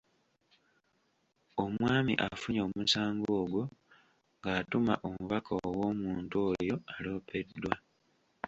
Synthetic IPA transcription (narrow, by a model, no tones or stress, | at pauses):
o̞mwaːmḭʔafuɲoːmusaːŋɡoːɡo | ŋɡaːtuma̰ʔomuβakʰawo̞ːmuːntujo̞alo̞ːpe̞dːwa